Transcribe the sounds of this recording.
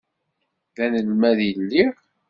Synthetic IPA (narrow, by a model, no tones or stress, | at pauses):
ðænəlmæðilːiʁ